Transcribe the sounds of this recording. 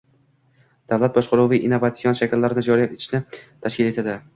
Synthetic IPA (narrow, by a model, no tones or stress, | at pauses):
d̪̥avlat̪̚bɒʃqɑɾuviʔinːovat̪sɪjɒnʃakʲɪlːaɾɪnɪd͡ʒɒɾijapet̪ʰɪʃnɪt̪ʰaʃkʲɪle̞t̪ʰad̪ɪ